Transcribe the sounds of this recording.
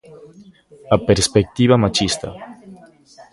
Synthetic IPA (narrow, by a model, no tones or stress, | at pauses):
apeɾspek̚t̪iβamat͡ʃist̪a̰